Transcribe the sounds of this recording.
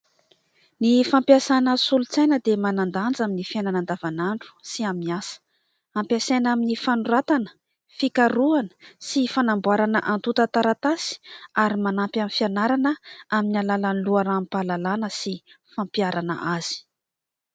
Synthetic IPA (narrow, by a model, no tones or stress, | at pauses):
nifampjasanəsulut͡sajnəd̪emanand̪and͡zaminifenanand̪avanaɳɖ͡ʐu̥siamiasə̥ | ampjasenaminifanuɾat̪anə̥ | fikaɾuanə̥sifanambuaɾanə̰ʔant̪ut̪at̪aɾat̪asi̥aɾimanampʲanfianaɾanəaminalalanluaɾampalalanəsi | fampijaɾanə̰ʔaz̥i̥